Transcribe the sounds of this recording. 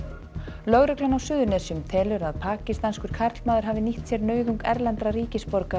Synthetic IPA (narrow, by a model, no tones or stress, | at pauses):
lœɣɾʏklanawsʏːðʏɾnɛːsijʏmt̪ʰɛːlʏɾaðpʰaːcɪst̪anskʏɾ̥kʰaɾt̪lmaːðʏɾ̥ɦaːvɪniht̪sjɛɾnœːɥðuŋkɛɾlɛnt̪ɾariːcɪspɔɾka